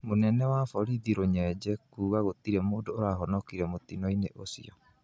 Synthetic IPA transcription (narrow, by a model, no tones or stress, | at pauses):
monɛnɛwafɔɾiðiɾoɲɛd͡ʑɛkuːɣaɣot̪iɾɛmoːdoːɾaːɦɔnɔkiɾɛmot̪inɔineʔosḭɔ̰